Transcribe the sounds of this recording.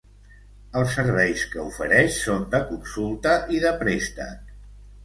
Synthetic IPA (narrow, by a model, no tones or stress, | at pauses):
əlˠsːəɾβ̞ɛjskəufəɾɛʃsond̪əkunsulˠt̪əʔiðəpɾest̪ə̰